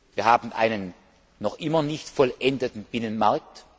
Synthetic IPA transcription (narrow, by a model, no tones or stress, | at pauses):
viːɐhaːbn̩ʔa̰ɪnənː | ɔχʔɪmɐnɪçtfɔlʔɛndətn̩b̥ɪnənmaɐk̚t